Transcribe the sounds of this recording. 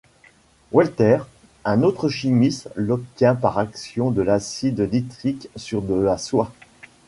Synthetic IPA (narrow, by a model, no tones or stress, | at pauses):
wɛlt̪ɛʁ | ɛ̃not̪χəʃimislɔp̚t̪jɛ̃paʁaksjɔ̃d̪əlasid̪d̪it̪χiksyʁb̪əaswa